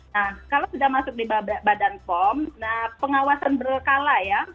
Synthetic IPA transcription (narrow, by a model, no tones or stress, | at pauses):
nahkalawsudamasʊk̚dibaabadanpɔmnahpəŋawasanbərkalaja